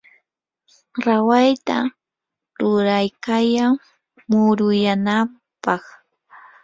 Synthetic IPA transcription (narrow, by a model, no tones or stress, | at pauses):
ɾawajt̪a̰ | ɾʊɾajkajaŋ | mʊɾʊjana | pɑχ